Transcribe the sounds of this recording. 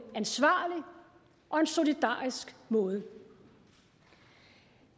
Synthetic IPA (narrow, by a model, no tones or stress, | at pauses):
ænsʋɑ̰̈ːli | ʔɒ̽e̝nso̝lid̥ɑ̰̈ːisɡ̥mɔ̽ːð̞ˠə